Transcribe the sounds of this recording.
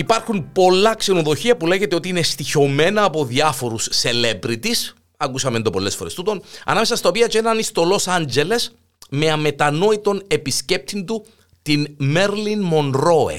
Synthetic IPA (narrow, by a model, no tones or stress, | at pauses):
ipɐɾxunpo̞lɐkse̞no̞ðo̞çiɐpule̞ʝe̞t̪eo̞t̪iinest̪iço̞me̞nɐːpo̞ðiɐfo̞ɾusːe̞le̞bɾit̪is | ɐkusɐme̞nd̪o̞po̞lːe̞sfo̞ɾe̞st̪ut̪o̞nɐ̰nɐmesɐst̪ɐop̬iɐt͡ʃeenɐnist̪o̞lo̞sɐɲd͡ʑe̞le̞s | me̞ɐme̞t̪ɐno̞it̪o̞ne̞pisce̞p̚t̪ind̪u | t̪inme̞ɾlinmo̞nɾo̞ḛ